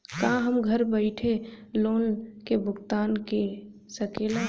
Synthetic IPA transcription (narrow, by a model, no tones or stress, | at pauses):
kãɦəmɡʱəɾbəɪʈʰeloːnkebʱʊɡt̪aːnke | səkela